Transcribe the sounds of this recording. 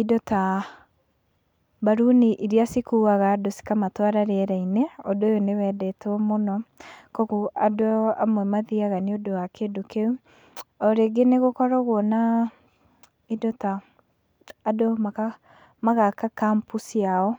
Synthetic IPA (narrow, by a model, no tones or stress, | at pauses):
idɔta | baɾuniʔiɾiasikuaɣaːdosi̥kamatwaɾaɾeɾɛineɔdojonewɛdɛtɔmonɔkɔɣuʔadoamwɛmaðiaɣaneodowakedokeu | ɔɾeɡeneɣokɔɾɔɣwɔna | idɔtaː | domaa | maɣakakampusiaɔ